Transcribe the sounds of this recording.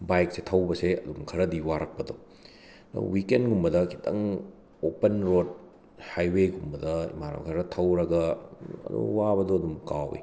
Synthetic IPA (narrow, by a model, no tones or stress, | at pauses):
bajk̚setʰɐwbɐseɐdumkʰɐɾɐdiwaɾɐk̚pɐdo | nɐ̰wikenɡumbɐdɐkʰi̥tʰɐ̰ŋ | opɐnɾod̚ | hajweɡumbɐdɐmaɾɐ̰mkʰɐɾɐtʰɐwɾɐɡɐɐ̰dṵwabɐdoɐdumkawḭ